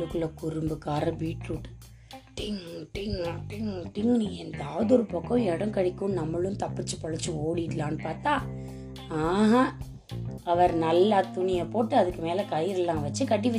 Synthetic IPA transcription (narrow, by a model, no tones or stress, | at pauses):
lɯkːɯɭɐkʊɾʊmbɯkaːɾɐbiːʈɾuʈːɯ̥ | ʈɪŋʈɪŋʈɪŋʈɪŋniɛnd̪ɐaːðɔɾɯpɐkːɔ̃ɛɽɐ̃ŋkɐɽɪkːʊ̃nɐmːɐɭʊ̃nt̪ɐpːɯt͡ʃːɯpɐɻɐt͡ʃːɯoːɽɪʈːlaːnɯpaːɾt̪aː | aːɦa | ɐʋɐɾnɐlːaːt̪ʊɳɪjɐpoːʈːɯɐðɯkːɯmeːlɐkɐjɪɾɐlːãːʋɐt͡ʃːɯkɐʈ̬ːiʋɐ